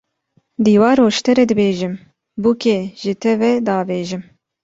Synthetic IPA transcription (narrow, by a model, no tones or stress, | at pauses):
d̪iːwɑːɾoːʃt̪ʰɛɾɛd̪ɨbeːʒɨm | bukeːʒɨt̪ʰɛvɛd̪ɑːveːʒɪm